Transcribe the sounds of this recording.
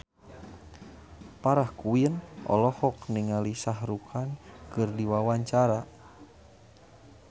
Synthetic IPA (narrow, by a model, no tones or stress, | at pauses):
paɾahkuiənʔɔ̰lɔhɔkniŋalisaɦɾukʰankɨrdiwawaɲt͡ʃaɾa